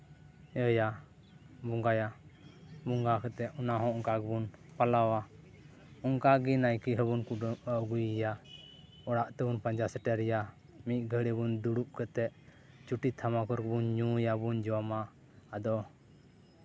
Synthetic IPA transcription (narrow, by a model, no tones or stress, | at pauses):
əja | bɔŋɡaja | buŋɡakɛt̪ɛʔɔnaɦɔ̃ɔŋkaɡɛbunpalawa | uŋkaɡinajkiɦəbunkuəɡujja | ɔɽaʔt̪ɛbunpaɲd͡ʒasɛʈɛɾɛja | mit̪̚ˀɡʱəɽibund̪uɽuʔkət̪ɛʔ | t͡ʃuʈit̪ʰamakɔɾkɛbunɲũjabund͡ʒɔwamaː | d̪ɔ